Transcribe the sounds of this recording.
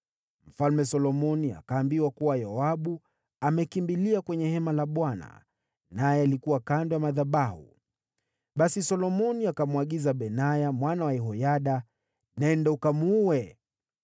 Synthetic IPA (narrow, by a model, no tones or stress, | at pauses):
m̩falmɛsɔlɔmɔnia̰kaːmbiwakuwajaaɓu | amɛkimbiliakwɛɲɛhɛmalaɓwana̰ | najɛalikuwakandɔjamaðaɓahṵ | ɓasisɔlɔmɔniakamuwaɠizaɓɛnajamwanawaɛɦɔjaɗa | nɛndɛukamuwɛ